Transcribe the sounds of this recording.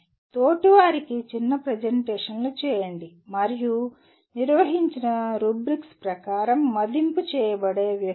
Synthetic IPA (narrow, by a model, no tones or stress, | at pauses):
t̪oːʈiʋaːɾikit͡ʃinːɐpɾɐd͡ʒɐɳʈeːʂɐnlut͡ʃɛːjɐɳɖi | mɐɾiju | niɾʋɐɦiɲt͡ʃinɐɾubɾikspɾɐkaːɾɐmːɐd̪imput͡ʃɛːjɐbɐɽe̞ːʋjɐ